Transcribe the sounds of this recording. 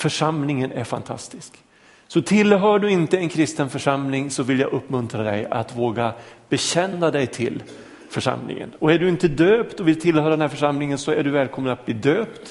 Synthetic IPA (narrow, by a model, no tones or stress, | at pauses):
fœʂamlɪŋənæɾfa̰nt̪ʰa̰st̪ɪsk | sɔt̪ʰɪlːɦœːɖɵɪnt̪əɛnkʰɾɪst̪ənfœʂamlɪŋsɔvɪlja̰ːʔɵpːmɵnt̪ɾad̪ɛja̰t̪voːɡab̥ɛɕɛnːad̪ɛjt̪ʰɪ̰l | fœʂa̰mlɪ̰ŋə̰nɔæɖɵɪnt̪əd̪øːpt̪ɔvɪlt̪ʰɪlhœːɾad̪ɛnɦæɾfœʂamlɪŋənsɔæɖɵvɛːlkʰɔmːənat̪̚bliːd̪øːpt̪